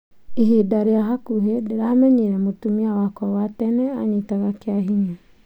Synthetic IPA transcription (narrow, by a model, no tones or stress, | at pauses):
iɦedaɾeaɦakuɦedeɾamɛɲeɾɛmotumiawakwɔwatɛnɛa̰ɲetaɣakeaɦiɲa